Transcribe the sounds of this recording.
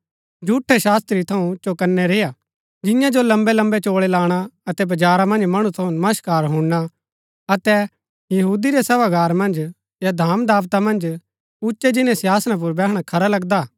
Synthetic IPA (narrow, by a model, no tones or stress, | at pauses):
d͡ʒʱuːʈʰːɛʃaːst̪ɾit̪ʰɐũt͡ʃokɐnːɛɾeːja | d͡ʒɪ̃jãd͡ʒolɐ̃mbɛlɐ̃mbɛt͡ʃoːɭɛlaːɽ̃aɐt̪ɛbɐd͡ʒaːɾamɐ̃nd͡ʒmɐɽ̃ũt̪ʰɐũnɐməʃkaːɾɦũɽa | ɐt̪ɛ | jɐɦuːd̪iɾɛsɐʋaɡaːɾmɐ̃nd͡ʒ | jad̪ʱaːmd̪aːʋt̪amɐ̃nd͡ʒ | ʊʃɛd͡ʒɪnẽsjaːsnãp̬ʊɾbɛːɦɽ̃akʰɐɾalɐɡd̪aː